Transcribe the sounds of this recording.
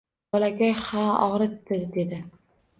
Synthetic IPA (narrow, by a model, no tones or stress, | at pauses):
ɒlaɡʲahaɒ̰ʁɾɪt̪ːɪɾd̪e̞d̪ɪ